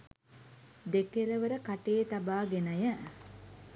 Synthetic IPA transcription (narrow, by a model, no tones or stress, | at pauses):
d̪ekeləʋəɾəkaʈejːt̪abaːɡenəjə